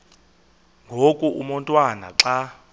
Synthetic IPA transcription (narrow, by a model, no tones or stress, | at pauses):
ŋɡʱokʼuumɔntʼwana̰ǁa